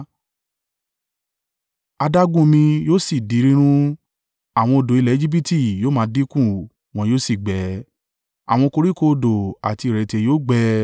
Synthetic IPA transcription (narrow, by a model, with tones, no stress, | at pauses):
a˧da˦ɡũ˦mĩ˧joː˦si˦˨di˨˦ɾĩ˦ɾ̃ũ˦ | a˨w̃ɔ̃˧o˧do˨i˧lɛ˦d͡ʒi˦bi˦ti˦˨joː˦mãː˨˧˦di˦kũ˦˨ | w̃ɔ̃˧joː˦si˦˨ɡ͡bɛ˨˦ | a̰˨w̃ɔ̃˧ko˧ɾi˦ko˧do˨a˨ti˧i˨ɾɛ˨te˧joː˦ɡ͡bɛ˧˦